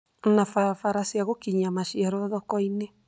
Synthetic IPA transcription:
nafafaɾasiaɣokiɲamaʃiaɾɔðɔkɔine

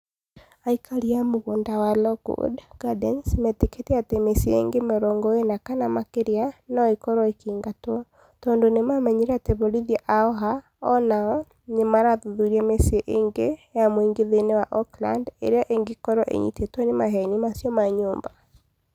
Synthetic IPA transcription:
aikʰaɾiamoɣondawalɔɡo̰dɡ̥adɛnsmɛteketɛatemesiḛŋɡemeɾɔŋɡɔenakanamakeɾeanɔikɔɾɔekiːŋɡatwɔɔ | tɔːndonemamɛɲeɾɛateβoɾiðiɛʔaɔɦa | ɔ̰naɔ | nemaɾaðuðuɾiɛmesieʔeːŋɡejamoiŋɡeðenewaʔɔkla̰ndḛɾeɔʔeŋɡekɔɾɔʔḛɲḭtetwɔnemaɦɛɲimasijɔmaɲoːmba

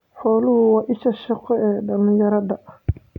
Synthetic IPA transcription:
ħɔːlʊhʊwɑːʔɪʃɐʃɐqʰɔɛːɖɐlɪ̃jɐɾɐðɐ

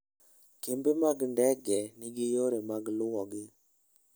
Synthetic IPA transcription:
kembemaɡndɛɡɛnɪɡɪjoɾemaɡlʊwɔɡɪ

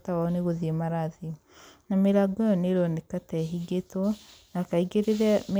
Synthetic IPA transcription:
tawaneɣoðiemaɾaði | nameɾaɡɔjɔneɾɔnekatɛɦiɡetɔnakaiɣeɾeɾɛm

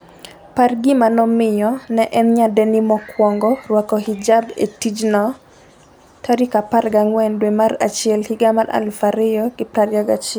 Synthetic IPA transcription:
parɡɪmanɔmɪjɔnɛʔɛnɲadɛnimɔkwɔŋɡɔrwakɔhid͡ʒabḛtid͡ʒnɔ | tʰaɾikaparɡaŋwɛndwemara̰t͡ʃjɛlhiɡamaɾʔa̰lfaɾɪjɔɡɪpɾaɾjaɡat͡ʃɛ

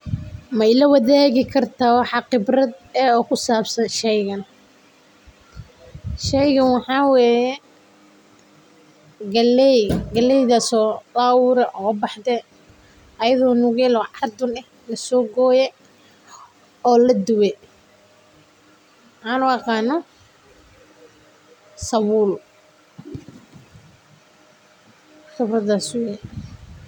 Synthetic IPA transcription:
mɐɪlɐwɐðaːɣɪkʰɐrt̪ʰaːwɑħɑqɪbrɐd̪ɛːɔːkʰʊsaːbsɐnʃɛjɣɐn | ʃɛjɣɐnwɑħɑːwɛːjɛ | ɡɐlɛɡɐlɛjðɐsɔːlaːwʊɾɛʔɔbɑħd̪ɛ | ʔɐjɐðɔːnʊɣɛlɔːʕɑrd̪ʊnɛh | lɐsɔːɡɔːjɛ | ɔːlɐd̪ʊwɛ | ʔanʊwɑqɑːnɔ | sɐwul | xʊbrɐd̪aːswɛ

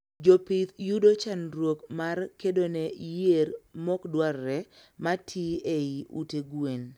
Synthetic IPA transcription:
d͡ʒopɪt̪judot͡ʃanɾwokmarkedonɛjermɔkdwarːɛ | matʰieiʔuteɡwen

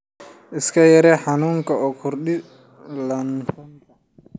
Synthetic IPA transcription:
ʔɪskʰɐjɐɾɛːħɑnuːŋkʰɐɔːkʰʊrɗɪ | lɐnfɔntɐ

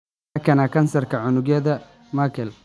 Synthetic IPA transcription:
kʰɐnakʰɐnsɐrkʰɐʕʊnʊɡjɐðɐ | makʰɛl

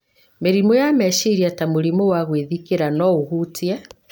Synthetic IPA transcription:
meɾimɔjamɛʃiɾiatamuɾimɔwaɣwiðikeɾanɔuhutja

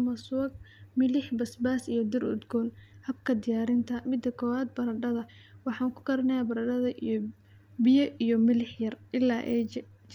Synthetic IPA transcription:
mɐsʊɡ̚mɪlɪħbɐsbaːsijɞd̪ɪrʊ̰d̪ɡɔːnhɐb̚kʰɐd̪ɪjaːɾɪnt̪ʰɐmɪd̪ːɐkʰɔːwaːd̪̚bɐɾɐɖɐðɐ | wɑħɑːŋkʰʊ̥ɡɐɾɐnɛjaːbɐɾɐɖɐðɐʔij | bɪjɐʔijɔmɪlɪħjɐrʔɪlːaːʔɛː

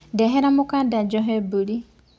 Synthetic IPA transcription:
dɛɦɛɾamʊkadad͡ʒɔɦɛbuli

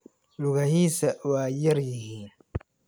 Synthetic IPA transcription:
lʊɣɐhiːsɐwaːjɐɾjɪhiːn

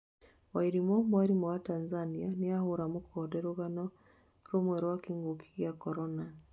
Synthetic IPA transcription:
waiɾimɔmwaɾimɔwatanzanianeahoɾamokʰɔdɛɾoɣanɔ | ɾomwɛɾowakeŋɡokʰi̥ɣjakɔɾɔna

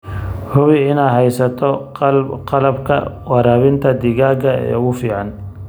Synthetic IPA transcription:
hʊwɪɪnaːɦɛjsɐt̪ʰɔ | qɑlɐbkʰɐ̰wɑɾaːβɪnt̪ʰɐd̪ɪɣaːɡɐɛ̰ːʊɣʊfiːʕɑn

